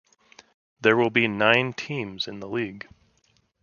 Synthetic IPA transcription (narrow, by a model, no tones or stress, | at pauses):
ðə˞wɪlˠbinãɪ̃ntʰĩmzɨ̃nðəliɡ